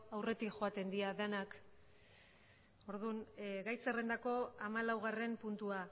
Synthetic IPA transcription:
awre̞t̪ikʝo̞at̪e̞nd̪iaðenak | o̞ɾðunɡajse̞re̞nd̪ako̞amalawɣ̞are̞mpunt̪ua

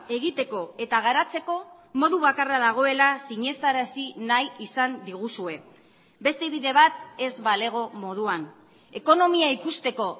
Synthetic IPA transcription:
e̞ɣit̪e̞ko̞e̞t̪aɣ̞aɾat͡se̞ko̞ | mo̞ðuβakaraðaɣ̞o̞e̞lasiɲe̞st̪aɾasinajisand̪iɣ̞usue̞ | be̞st̪e̞βiðe̞βat̪e̞zβale̞ɣ̞o̞mo̞ð̞uan | e̞ko̞no̞miaikust̪e̞ko̞

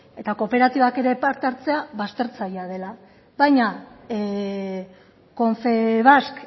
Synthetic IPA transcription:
e̞t̪ako̞pe̞ɾat̪iβake̞ɾe̞paɾt̪eaɾt͡se̞aβast̪e̞ɾt͡sajað̞e̞la | βajɲa | ko̞ɱfeβ̞ask

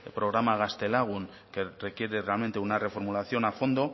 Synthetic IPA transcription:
elpɾo̞ɣɾamaɣast̪e̞laɣun | ke̞re̞kje̞ɾe̞realmẽ̞nt̪eunare̞fo̞ɾmulaθjo̞nafo̞nd̪o̞

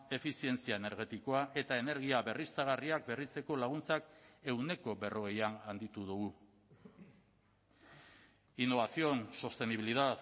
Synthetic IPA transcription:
e̞fisie̞nt͡siae̞ne̞ɾɣe̞t̪iko̞aʔe̞t̪ae̞ne̞ɾɣiaβe̞rist͡s̪aɣariak̚berit͡se̞ko̞laɣ̞unt͡sake̞wne̞ko̞βe̞ro̞ɣe̞janand̪it̪uð̞uɣ̞u | inːo̞βasio̞nsost̪e̞niβ̞iliðat

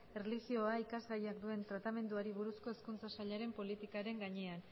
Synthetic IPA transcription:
erliɣio̞aikazɣajakd̪ue̞nt̪ɾat̪ame̞nd̪uaɾiβuɾusko̞eskunt͡sasaʎaɾe̞mpo̞lit̪ikaɾe̞ŋɡaɲe̞an

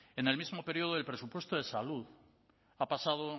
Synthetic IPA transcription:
ene̞lmizmo̞pe̞ɾio̞ðoelpɾe̞supwe̞st̪oð̞e̞saluð | apasað̞o

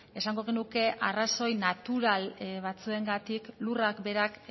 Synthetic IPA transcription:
e̞saŋɡo̞ɣ̞enuke̞ʔaraso̞jnat̪uɾalβat͡sue̞ŋɡat̪iklurakbe̞ɾak

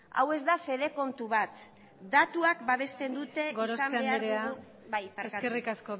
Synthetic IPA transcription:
a̰we̞zd̪ase̞ðe̞ko̞nt̪uβat̪ | d̪at̪uak̚baβ̞e̞st̪e̞nd̪ut̪e̞ɡɾosameaeaeɾeaɣu | bajpaɾeskerikasko

